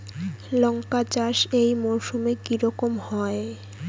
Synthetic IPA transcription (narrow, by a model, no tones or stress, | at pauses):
lɔŋkat͡ɕaʃejmoɾʃumekiɾɔkomhɔe